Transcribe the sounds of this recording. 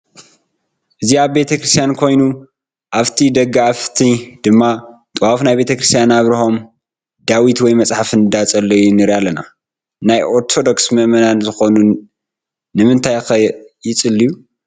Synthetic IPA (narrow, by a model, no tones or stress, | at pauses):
ʔɨziaβbe̞t̪ʰɐkɾɨist̪ʰijankʰo̞jnu | ʔaβt̪ʰid̪ɐɡaaft̪ʰid̪̥ɨmːat̪ʼwafnajbe̞t̪ʰɐkɾɨst̪ʰjanaβɾiho̞m | d̪awit̪wɔjmɐt͡sʼħafnɨd̪at͡sʼɐlːojunɨɾalɐna | najʔoɾt̪ʰo̞d̪oksmɐmɐnanzɨxo̞nu | nɨmɨnt̪ʰajxɐjɪt͡sʼɨlːiju